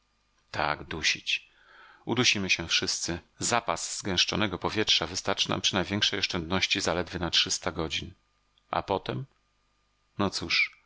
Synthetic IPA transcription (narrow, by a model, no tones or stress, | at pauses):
t̪ʰa̰ɡd̪uɕḭt͡ɕ | ud̪uɕimɘɕɛfʂɘst̪sɘ | zapaz̥z̥ːɡɛ̃w̃ʂt͡ʂɔnɛɡɔpɔvʲjɛtʂavɘst̪aɾt͡ʂɘna̰mpʂɨɘnajvʲjɛ̃ŋkʂɛjɔʂt͡ʂɛnd̪nɔɕt͡ɕizalɛd̪vʲɘnatʂɘst̪aɡɔd͡ʑin | ʔa̰pɔt̪ɛm | nɔt̪suʂ